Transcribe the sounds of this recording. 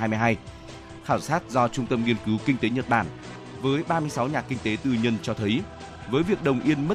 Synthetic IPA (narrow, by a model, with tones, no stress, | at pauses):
aː˧jm˧jɦaː˧j | xaː˧˩wsaː˦˥t̚zɔ˧t͡ɕʊ˧ŋ͡mt̪ə˧mŋi˧ənkɨ˨˦wkï˧ŋ̟t̪e˨˦ɲə˨˩t̚ɓaː˧˩n | vəː˨˦jɓaː˧mɨ˧əjsa˨˦wɲaː˨˩kï˧ŋ̟t̪e˨˦t̪ɨ˧ɲə˧nt͡ɕɔ˧t̪ʰə˨˦j | vəː˨˦jvi˨˩ək̚ɗə˨˩wŋ͡mʔi˧ənmə˦˥